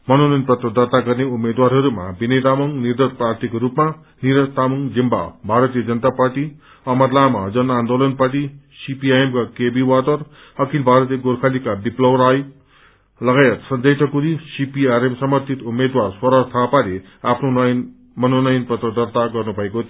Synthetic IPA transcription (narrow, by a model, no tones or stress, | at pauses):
mʌnonʌjnpʌt̪rʌd̪ʌrt̪aɡʌrneumːed̪waɾɦʌɾuma̰bined̪amʌŋnird̪ʌɾprart̪ʰikoɾupma | niɾʌt̪amuŋd͡zimba̰bʱaɾʌt̪ijʌd͡zʌnt̪aparʈi | ʌmʌrlamad͡zʌnand̪olʌnparʈisipiajemkakebiwat̪ʌr | ʌkilbʱaɾʌt̪ijʌɡoɾkʰalikabiplʌwɾaj | lʌɡajʌt̪sʌnd͡zʌjt̪ʰʌkuɾisipiaɾemsʌmʌrt̪ʰit̪umːed̪warswʌɾʌrt̪ʰapaɾe | apʰnonj | mʌnonʌjnpʌt̪rʌd̪ʌrt̪aɡʌrnubʱʌekot̪ʰ